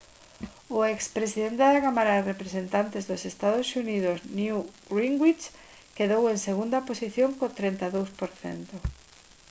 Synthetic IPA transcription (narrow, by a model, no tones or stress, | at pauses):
ʊekspɾesiðent̪eðakamaɾaðerepɾesent̪ant̪ezðʊsest̪aðosuniðʊznju | ɾiŋɡwit͡ʃ | keðoweŋseɣund̪aposiθjoŋkot̪ɾent̪aðowspoɾθḛnt̪o